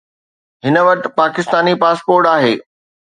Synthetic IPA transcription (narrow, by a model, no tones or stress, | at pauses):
ɦɪnə̆ʋɐʈ̆paːkɪst̪aːnipaːspoːɾʈaːɦeː